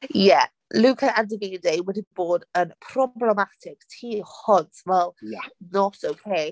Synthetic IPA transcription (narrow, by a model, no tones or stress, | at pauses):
jɛ | luːkʰəʔãndəviːdejwɛdib̥oːdənpʰrɔblɛmatʰɪktʰiːhɔntvɛlˠnɔtowkʰej